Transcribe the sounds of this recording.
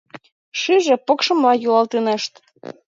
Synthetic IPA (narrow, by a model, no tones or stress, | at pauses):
ʃyʒĕpokʃɤ̆mlɑjulɑlˠt̪eneʃt̪